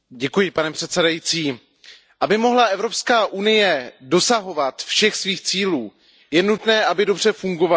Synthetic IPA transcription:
ɟɛkujɪpanɛpr̥ɛt̪sɛdajit͡siː | ʔabɪmo̞ɦlaʔɛvɾo̞pskaːʔunɪjɛdo̞saɦo̞vat̪fʃɛxsviːxt͡siːluː | jɛnut̪nɛːʔabɪdo̞br̝ɛfuŋɡova

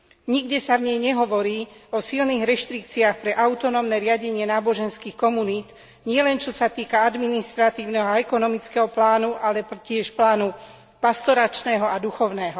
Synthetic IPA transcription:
ɲiɡɟɛsavɲɛjɲɛɦɔʋɔɾiːɔsilniːɣɾɛʃt̪ɾik̚t͡siaxpɾɛʔaʊt̪ɔnɔmnɛɾɪaɟɛɲɪɛnaːbɔʒɛnskiːxkɔmuniːt̪ | ɲɪɛlɛnt͡ʃɔsat̪iːkaad̪minist̪ɾat̪iːʊnɛɦɔaɛkɔnɔmit͡skɛɦɔplaːnuʔalɛcɪɛʃplaːnu | past̪ɔɾat͡ʃnɛːɦɔad̪uxɔʊnɛːɦɔ

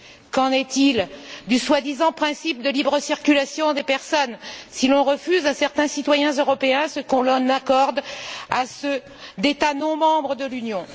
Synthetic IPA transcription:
kɑ̃nɛt̪ild̪yswad̪izɑ̃pχɛ̃sip̚d̪əlibʁəsiʁkʲylasjɔ̃d̪epɛʁsɔnsilɔ̃ʁəfyzasɛʁt̪ɛ̃sit̪wajɛ̃zøʁɔpeɛ̃səkɔ̃lɑ̃nakɔʁd̪asə | d̪et̪anɔ̃mɑ̃bʁəd̪əlynjɔ̃

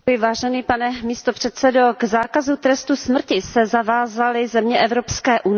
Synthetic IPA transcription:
jɪvaːʒɛniːpanɛmiːst̪opr̝̥ɛt̪sɛdo̞ɡzaːkazut̪ɾɛst̪usmr̩cɪsɛzavaːzalɪzɛmɲɛʔɛvɾopskɛːʔun

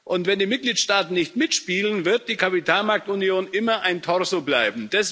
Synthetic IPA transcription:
ʔʊntv̥ɛndiːmɪt̚ɡ̥liːtʃtaːtn̩nɪçtmɪtʃpiːlənvɪɐt̚d̥iːkʰapitʰaːlmaɐk̚tunjoːnʔɪmɐʔaɪntʰɔɐsoblaɪbm̩d̥ɛs

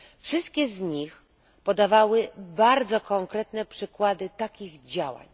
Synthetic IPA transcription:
fʂɨst̪kʲɛzɲix | pɔd̪avawɘbaɾd̪zɔkɔŋkɾɛt̪nɛpʂɘkwad̪ɘt̪akʲiɣd͡ʑawa̰ɲ

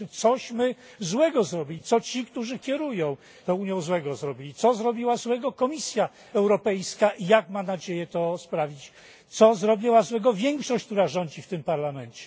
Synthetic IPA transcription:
t̪sɔɕmɘzwɛɡɔzɾɔbʲilʲit̪ɔt͡ɕikt̪uʐɘkʲɛɾujɔ̃w̃ | t̪ɔuɲjɔ̃w̃zwɛɡɔzɾɔbʲilʲit̪sɔzɾɔbʲiwazwɛɡɔkɔmʲisʲja | ɛwɾɔpɛjskaʔijakmanad͡ʑejɛt̪ɔspɾavʲit͡ɕ | t̪sɔzɾɔbʲiwazwɛɡɔvʲjɛŋkʂɔɕt͡ɕʲk̚t̪uɾaʐɔɲd͡ʑift̪ɘmpaɾlamɛnt͡ɕɛ

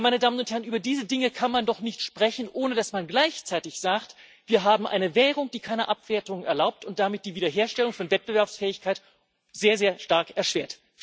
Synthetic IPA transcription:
maɪnədaːmənʊnthɛʁnʔyːbɐdiːzədɪŋəkʰanmandɔχnɪçtʃpʁ̥ɛçn̩ʔoːnədasmanɡlaɪçt͡saɪtɪçz̥aːktv̥iːɐɦaːbm̩ʔa̰ɪnəvɛːʁ̞ʊŋd̥iːkʰaɪnəʔapv̥eːɐtʊŋɛ̰ɐlaʊp̚tʊnt̚d̥amɪt̚d̥iːviːdɐɦeːɐʃtɛlʊŋfɔnvɛt̚b̥əvɛɐpsfɛːɪçkʰaɪt | z̥eːɐzeːɐʃtaɐkɛɐʃv̥eːɐt

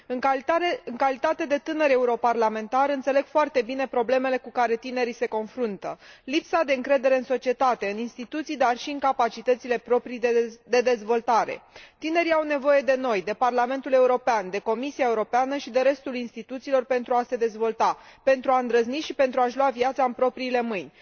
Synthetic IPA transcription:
ɨŋɨŋkalit̪at̪e̞d̪e̞t̪ɨnəɾe̞uɾo̞parlame̞nt̪aɾɨnt̪sele̞ɡ̥foart̪e̞bine̞pɾo̞ble̞me̞le̞kukaɾe̞t̪ine̞ɾise̞ko̞nfɾunt̪ə̰lipsad̪e̞ɨŋkɾe̞d̪e̞ɾe̞ɨnso̞t͡ʃie̞t̪at̪e̞ɨninst̪it̪ut̪sijd̪arʃiɨŋkapat͡ʃit̪ət̪sile̞pɾo̞pɾijd̪e̞d̪e̞zvo̞lt̪aɾe̞̰t̪ine̞ɾiawne̞vo̞je̞d̪e̞no̞jd̪e̞parlame̞nt̪ule̞uɾo̞peand̪e̞ko̞misiaeuɾo̞peanəʃid̪e̞ɾe̞st̪ulinst̪it̪ut̪siːlo̞rpe̞nt̪ɾuase̞d̪e̞zvo̞lt̪ape̞nt̪ɾuaɨnd̪ɾəzniʃipent̪ɾuaʃluaviat̪saɨmpɾo̞pɾiːle̞mɨnʲ

